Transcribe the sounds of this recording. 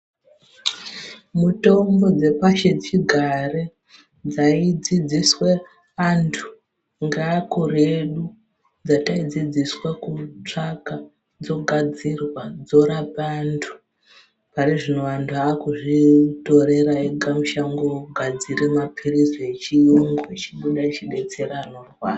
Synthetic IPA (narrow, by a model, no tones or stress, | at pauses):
muto̞mbo̞d͡ze̞paʃet͡ʃiɡʱare | d͡zaid͡zid͡ziswe̞ | antʰu̥ | ŋɡakureɗu | d͡zataid͡zid͡ziswekut͡ʂaka | d͡zo̞ɡʱad͡zirwad͡zo̞ɾapantʰu̥ | pariʐino̞antʰuaːkuʐito̞ɾe̞ɾaeɡʱamuʃaŋɡoɡʱad͡zirimapʰirisoet͡ʃijoŋɡoit͡ʃiɓuɗat͡ʃiɓe̞t͡se̞ranorwa